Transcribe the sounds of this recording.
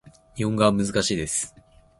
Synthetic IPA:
iõŋɡamɯzɨkaɕiːd̪e̞sɨ̥

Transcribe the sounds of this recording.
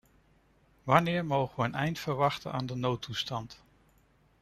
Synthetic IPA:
ʋɑnɪːɹmowχəʋəːnɛjntfəɹʋɑχtənʔa̰ːndənowtustɑnt

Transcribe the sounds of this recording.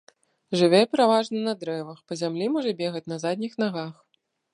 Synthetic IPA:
ʐɨvʲɛpʲɛɾavaʐnɐnɐd̪ɾɛvɐxpɐzʲamlʲimɔʐɐbʲɛɣɐt͡sʲnɐzad̪̚ʲnʲixnaɣax

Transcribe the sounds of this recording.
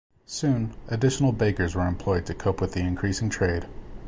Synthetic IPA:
sʉ̃nɨdɪʃn̩l̩ˠbeɪkə˞zwə˞ɨ̃mpʰl̥ɔɪd̚tʰɨkʰoʊpwɨðiɨ̃nkʰɹ̥isɪ̃ŋtʰɹ̥eɪd̥

